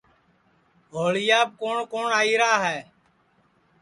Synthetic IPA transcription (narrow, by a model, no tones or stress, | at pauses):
ɡʱoːɭɪjaːb̚koːɳkoːɳaːiːɾaːɦɛː